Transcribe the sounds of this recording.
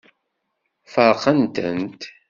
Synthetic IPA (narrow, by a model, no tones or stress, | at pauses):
fəɾˤqːənt̪ə̰nt̪